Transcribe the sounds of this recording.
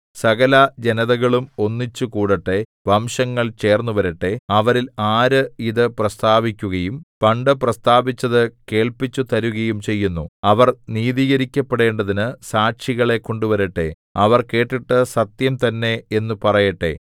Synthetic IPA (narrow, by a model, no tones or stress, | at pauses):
sɐɣɐlɐd͡ʑe̞nɐðɐɣɐɭumo̞nːit͡ɕːukuːɽɐʈːe̞ | ʋɐmɕɐŋːɐɭt͡ɕe̞ːrnːuʋɐɾiʈːe̞ɐʋɐɾilaːɾɨiðɨprɐst̪aːbikʲːuɣɐjumpɐɳɖɨprɐst̪aːbit͡ɕːɐðɨke̞ːɭpit͡ɕːut̪ɐɾuɣɐjumt͡ɕe̞jːunːuɐʋɐrniːðiːɣɐɾikʲːɐpːeɽe̞ːɳɖɐðinɨsaːʈɕiɣɐɭe̞ko̞ɳɖuʋɐɾiʈːe̞̰ | ɐʋɐrke̞ːʈːiʈːɨsɐt̪jɐmt̪ɐnːe̞enːupɐrɐjɐʈːe̞̰